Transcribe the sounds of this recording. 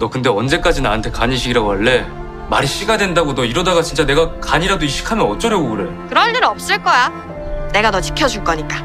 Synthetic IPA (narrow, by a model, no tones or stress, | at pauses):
nʌkɯnde̞ʌnd͡ʑe̞k͈ad͡ʑinaɦantʰe̞kaɲiɕʰiɡiɾaɡoʌɭːe̞ | maɾiɕ͈iɡadwe̞ndaɡonʌiɾʌdaɡat͡ɕint͡ɕ͈ane̞ɡakaɲiɾadoiɕ͈i̥kʰamjʌnʌt͡ɕ͈ʌɾjoɡoɡɯɾe̞okɯɾʌʎːɯɾʌp̚s͈ɯɭk͈ʌja | ne̞ɡanʌt͡ɕi̥kʰjʌd͡ʑuɭk͈ʌɲik͈a